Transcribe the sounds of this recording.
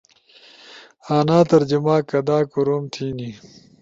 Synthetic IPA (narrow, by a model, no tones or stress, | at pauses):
aːnaːt̪ɐɾd͡ʑumaːkɐd̪aːkuɾoːmt̪ʰiːni